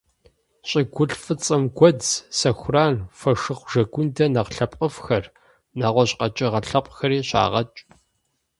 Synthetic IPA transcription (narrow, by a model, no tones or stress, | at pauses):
ɕʼɪɡʷʊɬfɨt͡sʼɨmɡʷɔd͡zsɐxʷʊraːnfɐʂɨχʷʒɐɡʷʊndɐnɐqɬɐpʼqʼəfxɐr | naːʁʷɔɕʼqɐt͡ʃʼɪʁɐɬɐpʷʼxɐɾiːɕa̰ːʁɐt͡ʃʼ